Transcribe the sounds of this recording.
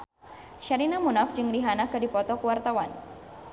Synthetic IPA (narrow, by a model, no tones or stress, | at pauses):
ʃaɾinamunafd͡ʒɨŋdiɦanakːɨdipɔt̪ɔkəwart̪awan